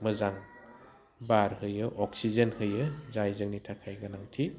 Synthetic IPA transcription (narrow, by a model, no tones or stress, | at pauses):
mɯzaŋ | baɾhɯjɯʔɔk̚sizenhɯjɯzajzɯŋnitʰakʰajɡanaŋtʰi